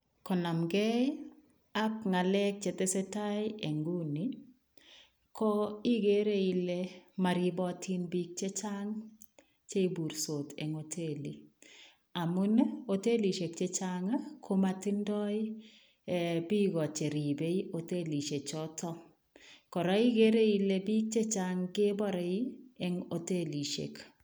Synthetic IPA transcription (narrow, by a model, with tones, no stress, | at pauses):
kɔ˨na˨mɡe˦ | a˦kŋa˨lɛ˦k̚t͡ʃe˨t̪e˦sɛ˦ta˦jɪe˨ŋɡu˦ni˦ | kɔ˦i˦ɡe˨˦ɾe˦i˦le˦ma˨ɾi˦bɔ˦tʰi˦nbi˦k̚t͡ʃe˦t͡ʃa˦ŋ | t͡ʃe˦i˦bu˨ɾso˨te˨ŋo˨tʰe˦li˨ | a˨mʊ˦ne˦o˨te˦li˨ʃe˨k̚t͡ʃe˦t͡ʃa˦ŋa˦kʰo˦ma˨ti˦ndɔ˦ɪ˦˨ | bi˦ɡɔ˨t͡ʃe˨ɾi˨be˦i˦ʔo˨te˦li˨ʃe˨t͡ʃɔ˦tɔ˦ | kɔ˨ɾɔ˦i˦ɡe˦ɾe˦i˨le˦bi˦k̚t͡ʃe˦t͡ʃa˦ŋɡɪ˦bɔ˦ɾɔ˨i˦ɛ˦ŋo˨te˦li˨ʃḛ˨k